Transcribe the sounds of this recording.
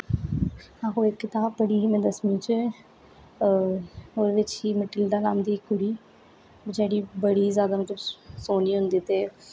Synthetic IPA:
ãːkoːɪkːɪt̪aːbːəɽiːɦimɛ̃ːd̪əsmĩːt͡ʃ | oːɾʋɪt͡ʃɦiːməʈɪld̪aːnaːmd̪iːkːʊɽiː | bɪt͡ʃaːɽiːbəɽiːzjaːd̪aːmʊ̃kləsoːniːɦʊnd̪iːt̪eː

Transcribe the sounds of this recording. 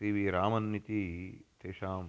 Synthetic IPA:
iːʋiɾaːmɐnːit̪it̪eːʃaːm

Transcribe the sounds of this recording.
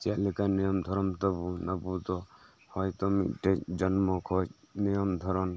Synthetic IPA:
t͡ʃelikanijɔmd̪ʱɔɾɔmt̪ɔbunɐbut̪ɔ | hɔjt̪ɔmḭʈed͡ʒɔnmɔkʰɔ | nijɔmd̪ʱɔɾɔn

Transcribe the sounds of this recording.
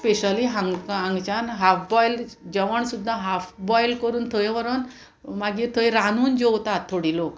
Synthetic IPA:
speɕəliɦãŋɡãŋɡt͡ɕanɦafbɔjld͡ʑɛʋəɳsud̪ʱːãɦafʰbɔjlkəɾuːnt̪ʰəjʋəɾon | maɡit̪ʰəjɾanuːnd͡ʑowt̪at̪ʰːoɽilok

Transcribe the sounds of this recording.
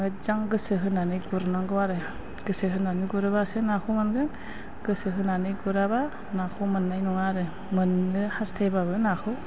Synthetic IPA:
ɯd͡ʒaŋɡɯsɯɦɯnanɯjɡuɾnaŋɡɯwaɾɯ | ɡ̥ɯsɯɦɯnanɯɡuɾɯbasɯnakʰumanɡɯ | ɡ̥ɯsɯɦɯnanɯjɡuɾaba | nakʰumɯnːajnɔŋaɾɯ | mɯnːɯhastʰajbabɯnakʰɯ

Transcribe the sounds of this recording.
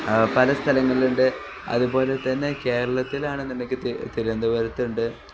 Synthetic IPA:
pɐlɐst̪ʰɐlɐŋːɐɭiluɳɖɨ | ɐ̰ðubo̞ːle̞t̪ːɐnːe̞ke̞ːɾɐɭɐt̪ːilaːɳɨnimɐkʲːɨt̪t̪iɾɐnd̪ɐʋɐɾɐt̪ːuɳɖɨ

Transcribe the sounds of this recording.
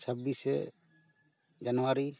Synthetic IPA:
sʰəbːisɛ̰ | d͡ʒanɔwaɾi

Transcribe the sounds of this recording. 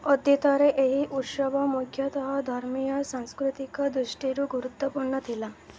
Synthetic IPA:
ɔd̪jit̪ɔɾeʔeɦiʔut̪ʃɔbɔmukʰjɔt̪ɔɦɔd̪ʱɔɾmijɔsaŋskɾut̪ikɔd̪ɾuʃʈiɾuɡuɾut̪ːɔpuɳːɔt̪ʰila

